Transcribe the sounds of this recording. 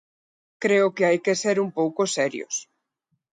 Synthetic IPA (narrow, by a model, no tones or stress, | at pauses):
kɾeʊkeajkeseɾumpowkosɛɾjo̰s